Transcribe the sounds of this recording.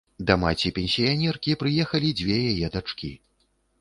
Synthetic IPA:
d̪ɐmat͡sʲipʲɛnʲsʲijanʲɛrkʲipɾɨjɛxɐlʲid͡zʲvʲɛjajɛd̪at͡ʂkʲḭ

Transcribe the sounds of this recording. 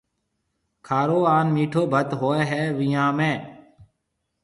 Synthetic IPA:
kʰaːɾoːaːnmiːʈʰoːbʱət̪ɦoːeːɦɛːʋiːjãːmẽː

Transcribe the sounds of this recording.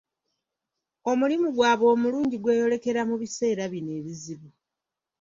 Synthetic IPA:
o̞mulimuɡwaːβo̞ːmuluːɲɟiɡwe̞ːjo̞le̞ke̞ɾamuβise̞ːɾaβine̞ːβiziβu

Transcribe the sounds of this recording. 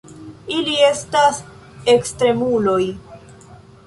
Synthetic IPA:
ilie̞stas | e̞kstɾe̞mulo̞j

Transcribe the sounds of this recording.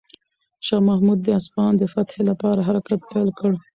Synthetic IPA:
ʃɑmahmud̪̚ːəaspɑnd̪əfat̪helapɑɾaɦaɾakat̪̚pelkəɽ

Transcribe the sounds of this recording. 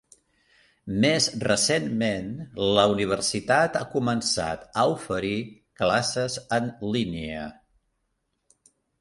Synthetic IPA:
mezrəsenmenləuniβ̞ərsit̪at̪a̰kumənsa̰t̪əufəɾi | klasəzənliniə̰

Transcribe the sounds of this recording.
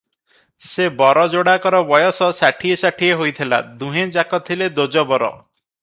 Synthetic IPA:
sebɔɾɔd͡ʒoɽakɔɾɔbɔjɔsɔsaʈʰiesaʈʰieɦojt̪ʰila̰d̪uɦẽd͡ʒakɔt̪ʰiled̪od͡ʒɔbɔɾɔ̰

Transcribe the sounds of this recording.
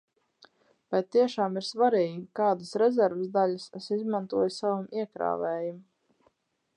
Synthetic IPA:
b̥ajt̪t̪ːiɛʃaːmiɾsvaɾiːɡʲikaːd̪asɾɛzɛɾvəszd̪aʎʲasɛsizmãnt̪uɔjsavamʔiɛkɾa̰ːvɛːjum

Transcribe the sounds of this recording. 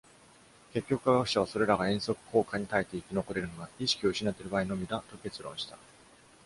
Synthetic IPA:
ke̞kʲːo̞kɯ̟̥kaɡakɯ̟ɕaβaso̞ɾe̞ɾaɡaẽ̞ɰ̃so̞kɯ̟̥ko̞ːkaɲ̟it̪ait̪e̞ikʲino̞ko̞ɾe̞ɾɯ̟noɡaiɕi̥kʲio̞ɯ̟ɕinat̪ːe̞ɾɯ̟baːino̞mʲid̪at̪o̞ke̞t͡sɨɾõ̞ɰ̃ɕi̥t̪ḁ

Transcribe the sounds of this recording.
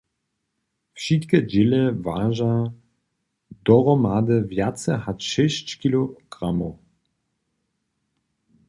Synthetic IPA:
fʃit̪kəd͡ʒeləvaːʒa | d̪ɔʁɔmaːd̪əvjat͡səhatʃɛʃt͡ɕkiloɡ̥ʁamo

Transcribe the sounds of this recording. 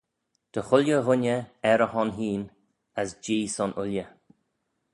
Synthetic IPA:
d̪̥əxʊljəɣʊnəɛɾəhɔnɦiːn | əsd͡ʒiːsɔnʔʊljə

